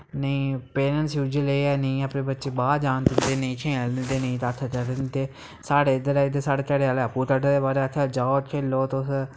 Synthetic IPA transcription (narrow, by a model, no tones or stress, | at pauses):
nəĩːpeːnənsjuːd͡ʒəleɛːnə̃ĩːəpneːbətːʃeːbaːd͡ʒaːnd̪ɪnd̪eːnə̃ĩːt͡ʃʰẽːlnẽd̪eːnə̃ĩːt̪aːt̪ʰːt͡ʃəɾɪnt̪eː | saːɽeːd̪əɾaːt̪eːsaːɽeːt͡ʃəɽeːalaːpuːʈəʈəd̪eːbaːɾeːət̪ʰːeːd͡ʒaːot͡ʃʰeːlːoːt̪ːʊs